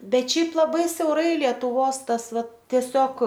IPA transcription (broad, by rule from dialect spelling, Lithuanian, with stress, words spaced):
ˈbʲɛt ˈʃʲɛɪp lˠɐˈbɐɪ sʲɛʊˈrɐɪ lʲiɛtʊˈʋoːs ˈtɐs ˈʋɐt tʲiɛˈsʲoːk